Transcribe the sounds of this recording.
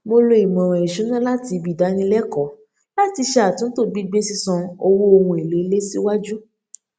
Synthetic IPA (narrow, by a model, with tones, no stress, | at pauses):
mo˧lo˧i˨mɔ̃˨ɾ̃ã˨i˨ʃũ˨˦nã˦la˦ti˧bi˨da˨˦nĩ˧lɛ˦kɔ˨˦ | la˦ti˧ʃe˧˦a˨tũ˨˦n̩˦to˦˧ɡ͡bi˦ɡ͡be˦si˧sɔ̃˧o˧wo˦o˧hũ˧i˨le˨˦i˧˦le˦si˦wa˦d͡ʒu˦